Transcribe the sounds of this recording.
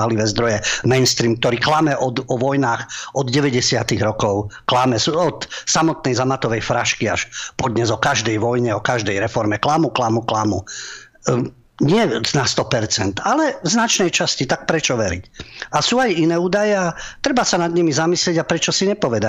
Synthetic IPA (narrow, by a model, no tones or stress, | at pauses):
ɦliʋɛːzd̪ɾɔjɛmɛjnst̪ɾiːmk̚t̪ɔɾiːklamɛʔɔd̪ɔʋɔjnaːxɔd̪ɟɛʋɛɟɛsɪat̪iɣɾɔkɔʊklamɛsuɔt̪samɔt̪nɛjzamat̪ɔʋɛjfɾaʃkia̰ʃpɔd̪ɲɛzɔkaʒd̪ɛjʋɔjɲɛɔkaʒd̪ɛjɾɛfɔɾmɛklamuklamuklamu | ɲɪɛnast̪ɔpɛɾt͡sɛnt̪alɛznat͡ʃnɛjt͡ʃascit̪ak̚pɾɛt͡ʃɔʋɛɾḭcasuːajinɛːuːd̪ajɛat̪ɾɛbasanad̪ɲimizamislɪɛɟapɾɛt͡ʃɔsiɲɛpɔʋɛd̪a